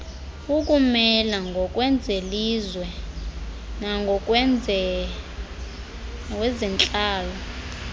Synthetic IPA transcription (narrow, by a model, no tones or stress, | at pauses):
uk̬ʼumɛlaŋɡʱɔkʼwɛnd͡zʱelizwɛ | naŋɡʱɔk̬ʼɛ | wɛzɛnt͡ɬʼaːlɔ